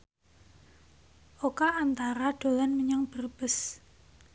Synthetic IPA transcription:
ʔokaant̪aɾaɖ̪̥o̤lanməɲɔŋb̥ərb̥əs

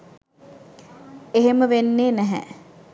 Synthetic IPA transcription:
eɦeməʋenːeːnæɦɛ̰

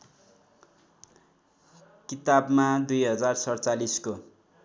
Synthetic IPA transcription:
kit̪abmad̪ujɦʌd͡zarsʌrt͡salisko

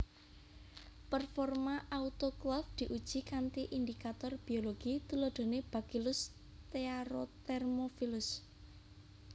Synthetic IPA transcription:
pərfɔrmaʔaut̪oklɔfd̪̥i̤ʔud̥ʒ̥i̤kant̪iʔind̪ikat̪ɔrb̥i̤oloɡ̥it̪ulɔɖ̪̥o̤neb̥ä̤kilʊs | t̪eaɾot̪ɛrmofilʊs

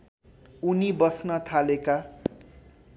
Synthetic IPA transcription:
unibʌsnʌt̪ʰaleka

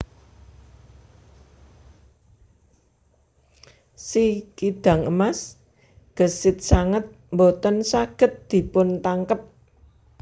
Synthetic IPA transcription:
sikid̪̥ä̤ŋəmas | ɡ̥ə̤sɪt̪̚saŋət̪̚ | mbot̪ənsaɡ̥ə̤t̪̚d̪̥i̤pʊnt̪aŋkəp̚

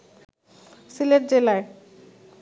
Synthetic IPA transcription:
sileʈ̚d͡ʑelae

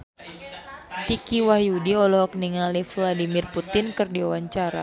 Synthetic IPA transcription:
t̪ikiwahjudiɔlɔɦɔk̚niŋalifladimɪrput̪ɪnkɨrdiawaɲt͡ʃaɾa̰

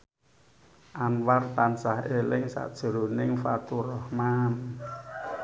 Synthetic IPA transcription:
ʔanwart̪ansahelɪŋsa̰ʔd̥ʒ̥ə̤ɾṳnɪŋfat̪urɔhman

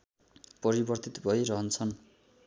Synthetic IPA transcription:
pʌɾibʌrt̪it̪bʱʌjɾʌɦʌnt͡sʰʌn

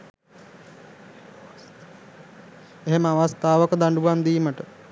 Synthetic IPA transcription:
eɦeməaʋast̪aːʋəkəd̪aɳɖuʋamd̪iːməʈə

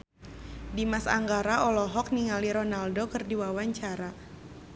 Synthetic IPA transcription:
dimasa̰ŋɡaɾaʔɔlɔɦɔk̚niŋaliɾɔnaldokɨrdiwawaɲt͡ʃaɾa

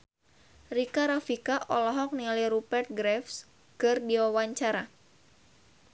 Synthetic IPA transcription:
rikaɾafikaʔɔlɔɦɔk̚nilajɾupɛrt̪̚ɡɾɛfs | kɨrdiwawaɲt͡ʃaɾa

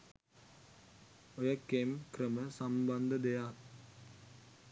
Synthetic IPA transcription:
ojəkemkɾəməsamband̪əd̪ejat

